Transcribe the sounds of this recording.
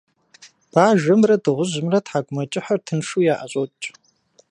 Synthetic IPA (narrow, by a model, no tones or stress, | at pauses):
b̥aːʒɐmrɐdɨʁʷʊʑɪmrɐtħaɡʷʼʊmɐt͡ʃʼɪħɐrtʰɨnʂujaːʔɐɕʷʼotʼt͡ʃʼ